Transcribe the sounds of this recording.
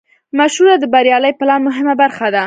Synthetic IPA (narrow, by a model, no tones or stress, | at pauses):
maʃhuɾad̪əbaɾjɑləjpəlɑmʊɦɪmabaɾxad̪a